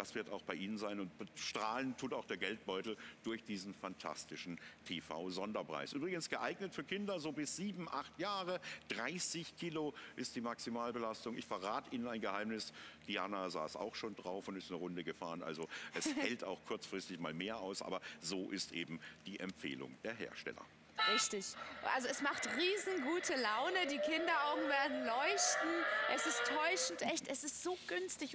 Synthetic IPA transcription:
d̥asv̥ɪɐtaʊxb̥aɪʔiːnənzaɪnʊntʃtʁ̥aːləntʰuːtaʊxd̥eːɐɡɛlt̚b̥ɔʏtl̩d̥ʊɐçd̥iːzn̩fantʰa̰stɪʃn̩tʰeːfa̰ʊzɔndɐpʁ̥a̰ɪsʔyːbʁɪɡənsɡ̥əʔaɪɡnətfyːɐkʰɪndɐzoːbɪsz̥iːbm̩ʔaχtjaːʁəd̥ʁaɪsɪçkʰiːloʔɪstd̥iːmaksimaːlbəlastʊŋɪ̰çfɛɐʁaːtʔiːnənaɪnɡəhaɪmnɪsd̥iaːnaza̰ːsa̰ʊxʃoːndʁaʊfʊntɪstnəʁʊndəɡəfaːʁənʔa̰lzoʔɛshɛltaʊxkʰʊɐt͡sfʁ̥ɪstɪçmaːlmeːɐa̰ʊsʔa̰ːbɐzoːʔɪstʔeːbm̩d̥iːʔɛmfḛːlʊ̰ŋd̥eːɐɦḛːɐʃtɛ̰lɐ̰ | ʁɪçtɪçʔa̰lzoɛsmaχtʁiːzn̩ɡuːtʰəlaʊnədiːkʰɪndɐʔaʊɡŋ̩veːɐdn̩lɔʏçtn̩ʔɛsɪstʰːɔʏʃn̩tʔɛçtɛsɪstz̥oːɡ̥ʏnstɪç

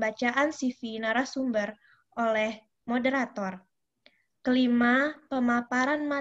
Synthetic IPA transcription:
bat͡ʃaʔansifinaɾahsumbər | ʔolɛh | modəɾat̪ɔr | kəlimapəmapaɾanma

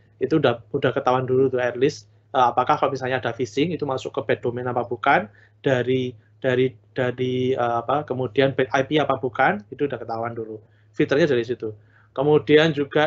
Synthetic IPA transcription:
it̪uːdahudahkət̪awandulut̪uɛrlɪs | əːapakahkalomisalɲaːd̥afisɪŋit̪umasʊkːəb̥ed̥omɛnapab̥ukan | d̥aɾi | d̥aɾid̥aɾiəːapakəmud̥ianbɛʔajpiapab̥ukanit̪uːdahkət̪awandulu | fit̪ərɲadaɾis̬it̪u | kəmudiand͡ʒuɡa

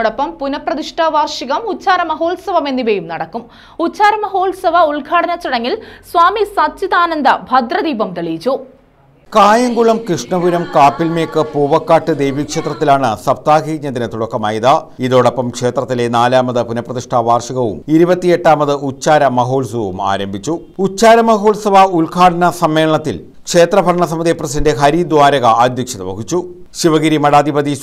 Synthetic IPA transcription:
oɽopːɐmpunɐprɐðiʂʈʰaːʋaːrʂiɣɐmut͡ɕːaːɾɐmɐɦoːlsɐʋɐme̞nːiʋɐjumnɐɽɐkːum | ut͡ɕːaːɾɐmɐɦo̞ːlsɐʋɐuɭɡʱaːɽɐnɐt͡ɕːiɽɐŋːilswaːmisɐt͡ɕːiðaːnɐnd̪ɐbʱɐd̪rɐd̪iːbɐmt̪ɐɭiːd͡ʑu | kaːjɐŋɡuɭɐmkrɨʂɳɐbuɾɐmkaːpːilmeːkːɨpuːʋɐkːaːʈːɨd̪e̞jʋikʂe̞ːt̪rɐt̪ːilaːɳɨsɐb̚t̪aːɡiːɲːɐðinɨt̪uɽɐkːɐmaːjiðaiðoːɽopːɐmkʂe̞ːt̪rɐt̪ːilenaːlaːmɐðɨpunɐprɐðiʂʈʰaːʋaːrʂiɣɐʋṵmiɾubɐt̪ːije̞ʈːaːmɐðɨut͡ɕːaːɾɐmɐɦo̞ːlsɐʋɐʋuma̰ːɾɐmbʱit͡ɕːu | ut͡ɕːaːɾɐmɐɦo̞ːlsɐʋaulkʰaːʈɐnɐsɐmːe̞ːlɐɳɐt̪ːil | kʂe̞ːt̪rɐbʱɐɾɐɳɐs̬ɐmiðijpːrɐsidɐndeɦɐɾid̪waːɾɐɣɐːd̪ʱjɐkʂiðɐʋɐɦit͡ɕːu | ɕiʋɐɣiɾimɐɽaːd̪ʱibɐd̪i

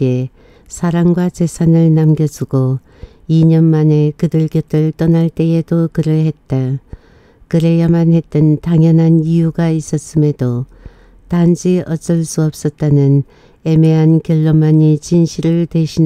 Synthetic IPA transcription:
e | sʰaɾaŋɡwat͡ɕe̞sʰanɯɭnamɡjʌd͡ʑuɡo | iɲʌnmane̞kɯdɯɭkjʌtʰɯɭt͈ʌnaɭt͈e̞edokɯɾɯɭhe̞t̚t͈a | kɯɾejamanhe̞t͈ɯntaŋjʌnɦanijuɡais͈ʌts͈ɯme̞do | tand͡ʑiʌs͈ʌɭs͈uʌp̚s͈ʌt̚t͈anɯn | e̞me̞ɦankjʌɭːomaɲit͡ɕinɕʰiɾɯɭtwe̞ɕʰin

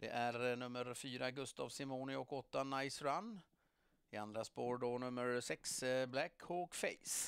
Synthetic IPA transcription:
d̪̥ɛ̰ʔæɾɳɵmːəɾfyːɾaɡɵst̪a̰ːvsɪmoːnɪɔkɔt̪ːanajsɾanː | ɪand̪ɾaspoːɾɖonɵmːəɾsɛksblækʰhɔkfɛ̰ɪs

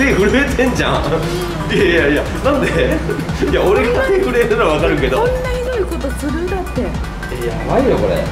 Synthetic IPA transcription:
ehɯ̟ɾeːt̪ʰẽ̞ɲd͡ʑã̰ | ijajaija | nãnd̪e̞ | jaoɾe̞ɡat̪ehɯ̟ɾeːɾɯɾaβakaɾɯ̟ke̞d̪onːaiɾoiko̞t̪o̞sɨɾɯ̟̃nd̪at̪ːe̞ | ejamaijoko̞ɾḛ

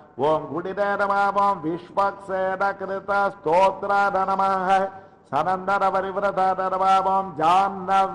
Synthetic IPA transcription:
oːmɡuɽideːnɐmaːmoːmʋiʂʋɐkʂeːnɐkɾɪt̪ɐst̪oːt̪ɾad̪ʱɐnɐmɐɦɐ | sɐnɐnd̪ɐɾɐʋɐɾiʋɾɐt̪ʰɐd̪ɐnɐmaːmoːmd͡ʒaːnːɐʋ

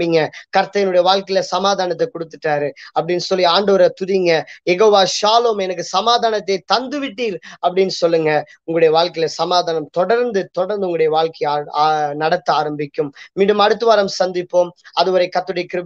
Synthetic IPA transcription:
ɪŋɡɐkɐɾt̪ːɐjɪnɯɽɐjɐʋaːɭkɐɪlɐsɐmaːðaːnɐt̪̬ːɐkɔɽɯt̪ːɯʈːaːɾɯɐpːɐɽɪnːsɔlːiaːɳɖɐʋɐɾɐt̪ʊðɪŋɡɐjɛɣoːʋaːʃaːloːmɛnɐk̬ːɯsɐmaːðaːnɐt̪̬ːeɪt̪ɐnd̪ɯʋɪʈːiːɾɐpːɐɽɪnːɯsɔlːɯŋɡɐʊŋɡɐɭɯɽɐjɐʋaːɭkɐɪlɐsɐmaːðaːnɐmt̪ɔɽɐɾnd̪ɯt̪ɔɽɐɾnd̪ɯʊŋɡɐɽɐjɐʋaːɭkɐː | nɐɽɐt̪ːɯaːɾɐmbɪkʲːɯmːiːɽɯmɐɽɯt̪ːɯʋaːɾɐmsɐnd̪ɪpːoːmɐðɯʋɐɾɐɪkɐt̪ːɯɽɐjɐkɪɾ

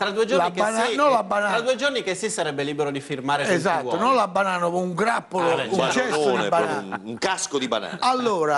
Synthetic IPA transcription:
t̪ɾad̪uːed͡ʒolanikːananɔlabːanaɾad̪uːed͡ʒornikesːisːaɾɛbːeliːbeɾod̪ifirmaːɾeɛzat̪ːonɔnlabːanaːnopouŋɡɾapːolout͡ʃɛst̪od̪ibanaːuŋkaskod̪iba̰na̰ːnalːoːɾa

